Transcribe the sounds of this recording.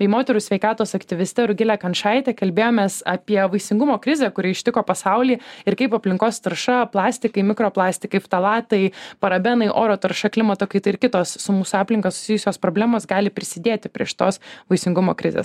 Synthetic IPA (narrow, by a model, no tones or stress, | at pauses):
bʲɛɪmoːt̪ʲɛɾʊsʲʋʲɛɪkɑːt̪oːsɐkt̪ʲɪʋʲɪsʲt̪ʲɛɾʊɡʲɪlʲækɐnʃɑɪt̪ʲɛkɐlʲbʲeːjoːmʲeːsɑːpʲiɛʋɐɪsʲɪŋɡʊmoːkɾʲɪzʲɛkʊɾʲɪɪʃʲt̪ʲɪkoːpɐsɐʊlʲiːɪɾkɐɪpɐpʲlʲɪŋkoːst̪ɐɾʃɐplˠɑːsʲt̪ʲɪkɐɪmʲɪkɾoːplˠɑːsʲt̪ʲɪkɐɪft̪ɐlˠɑːt̪ɐɪpɐɾɐbʲɛnɐɪʔoːɾoːt̪ɐɾʃɐklʲɪmɐt̪oːkɐɪt̪ɐɪɪɾkʲɪt̪oːssʊmuːsʊɑːpʲlʲɪŋkɐsʊ̥sʲɪjʊsʲoːspɾoːbʲlʲæːmoːsɡɑːlʲɪpʲɾʲɪsʲɪd̪ʲeːt̪ʲɪpʲɾʲiɛʃt̪oːsʋɐɪsʲɪŋɡʊmo̰ːkɾʲɪ̰zʲḛːs